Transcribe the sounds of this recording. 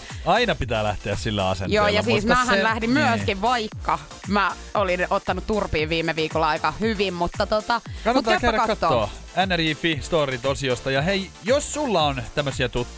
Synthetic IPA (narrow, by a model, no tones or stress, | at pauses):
ɑinɑpit̪æːlæ̰ht̪eæssilːæ̰ɑ̰sḛnjoːjɑsiːsmːæhænlæhdimmyæskiʋʋɑikːɑ | mæ | olinot̪ːɑnut̪turpiːʋʋiːmːeʋiːkolːɑɑikɑhyʋimmut̪ːɑt̪ot̪ɑkɑnːmut̪ɑkːekeɾækɑkɑt̪ːoːoːænːærifist̪oːrit̪osiost̪ɑjɑhei | jossulːɑont̪æmːøsiæt̪ut̪ː